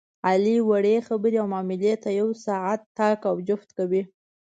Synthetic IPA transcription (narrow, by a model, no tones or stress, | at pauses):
aliwaɽexabəɾiawmɑmɪljet̪ːajawsaʕat̪ːɑkawd͡ʒʊft̪kawi